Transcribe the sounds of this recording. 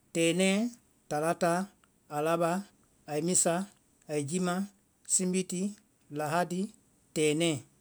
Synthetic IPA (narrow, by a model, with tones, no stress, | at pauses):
tɛː˨nɛ˦ | ta˨la˦taː˦˨ | la˦ɓaː˦˨ | i˨mĩ˦saː˦˨ | i˨d͡ʒi˦mã˦ | sĩ˦mbi˦ti˦ | la˨ɦa˦di˦ | tɛː˨nɛ̃˦˨